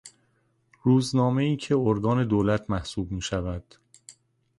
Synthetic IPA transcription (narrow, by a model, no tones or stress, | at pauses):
ruːznɒːme̞iːcʰe̞oɾɡɒːne̞d̪oːlæt̪ʰmæhsuːbmiːʃævæd̪̥